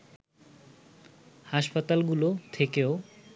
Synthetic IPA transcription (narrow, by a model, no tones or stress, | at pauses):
haʃpat̪alɡulot̪ʰekeo